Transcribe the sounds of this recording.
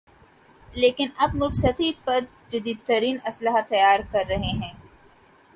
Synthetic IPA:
leːkɪnɐbnʊksɐt̪ʰiːd̪̚pɐɾ | d͡ʒɐd̪iːd̪̚t̪ɐɾiːnɐsləɦat̪ɐjaːɾkɐɾːɐɦeɦɛ̃ː

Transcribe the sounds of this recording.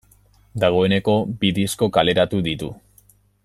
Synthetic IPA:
d̪aɣ̞o̞e̞ne̞ko̞biðisko̞kale̞ɾat̪uðit̪ṵ

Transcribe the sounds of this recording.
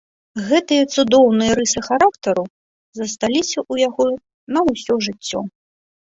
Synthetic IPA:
ɣɛt̪ɨjɐt̪sud̪ɔwnɨjɐɾɨsɨxaɾakt̪ɐɾu | zɐst̪alʲisʲɐʔujaɣɔ | nɐwsʲɔʐɨt͡sʲːɔ̰

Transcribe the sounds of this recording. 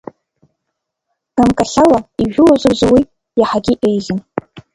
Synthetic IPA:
amkʼaɬawaiʒᶣʊlazɨrzawi | jaħaɡʲiʔejɮɨn

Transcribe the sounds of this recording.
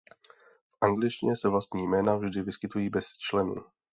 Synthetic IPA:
fʔaŋɡlɪt͡ʃcɪɲɛsɛvlast̪ɲiːjmɛːnavʒdɪvɪskɪt̪ujiːbɛst͡ʃlɛnṵː

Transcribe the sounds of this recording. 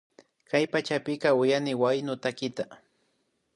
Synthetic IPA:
kajpat͡ʃapɪkaʊjanɪwajnʊt̪akɪt̪a

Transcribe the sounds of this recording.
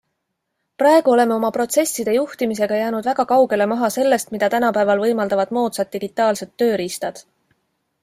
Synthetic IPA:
prɑe̞ɡ̥uo̞le̞me̞o̞mɑpro̞t̪se̞sːid̪̥e̞juht̪imise̞ɡ̥ɑjæːnud̪væɡɑkɑwɡe̞le̞mɑɦɑse̞lːe̞st̪mid̪̥ɑt̪ænɑpæevɑlvɤ̞jmɑld̪ɑvɑd̪̥mo̞ːt̪sɑd̪̚ːiɡ̥it̪ːˑɑːlset̪ːø̞ːɾist̪ɑd̪̥

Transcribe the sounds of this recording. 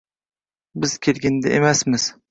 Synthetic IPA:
bɪz̥kʲʰelɡʲɪnd̪aʔemasmɪz̥

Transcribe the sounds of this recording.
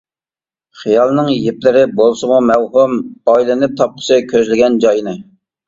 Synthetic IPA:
χijɑlˠnɨŋjeplɪɾɪbolˠsɨmumɛwɦumɑjlˠɪnɪp̚t̪ʰɑp̚qʰə̥sɨkʲʰøzlɪɡʲɛnd͡ʒɑjnɨ

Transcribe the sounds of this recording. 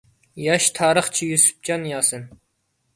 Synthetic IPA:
jɑʃt̪ʰɑːɾəχt͡ʃʰijysy̥p̚t͡ʃɑnjɑːsɨn

